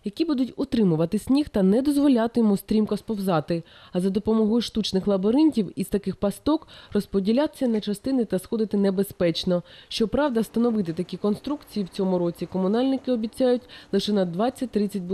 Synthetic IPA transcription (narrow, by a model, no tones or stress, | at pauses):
jɐkʲibud̪ʊtʲɔt̪ɾɪmʊʋɐt̪ɪsʲnʲixt̪ɐnɛd̪ɔzʋɔlʲat̪ɪjɔmust̪ɾʲimkɔspɔwzɑt̪ɪɐzɐd̪ɔpɔmɔɦɔjʊʃt̪ut͡ʃnɪxlˠɐbɔɾɪnʲtʲiwiz̥t̪ɐkɪxpɐst̪ɔkrɔspɔdʲilʲat̪ɪ̥sʲɐnɐt͡ʃɐst̪ɪnɪt̪ɐsxɔd̪ɪt̪ɪnɛbespɛt͡ʃnɔʃt͡ʃɔpɾɑwd̪ɐst̪ɐnɔʋɪt̪ɪt̪ɐkʲikɔnst̪ɾukt͡sʲijiwt͡sʲɔmʊɾɔt͡sʲikɔmʊnɑlʲnɪkɪɔbʲit͡sʲajʊtʲlˠɪʃɛnɐd̪ʋɑt͡sʲːɐt̚ʲt̪ɾɪt͡sʲɐt̚ʲb